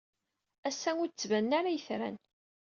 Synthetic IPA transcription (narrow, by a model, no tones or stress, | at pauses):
æsːæŋʊɾt͡sːvænːaɾajəθɾæ̰n